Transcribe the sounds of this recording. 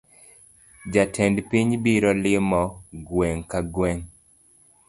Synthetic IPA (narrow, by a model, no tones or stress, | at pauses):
d͡ʒatʰɛndpiɲbiɾɔlɪmɔɡwɛŋkaɡwɛŋ